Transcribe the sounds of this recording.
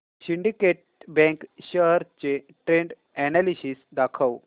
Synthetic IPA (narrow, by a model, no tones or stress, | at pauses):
ɕiɳɖikeʈ̚ | bɛ̃ŋkɕəɦəɾt͡ɕe | ʈɾeɳɖ | ɛnalisiːsd̪akʰəw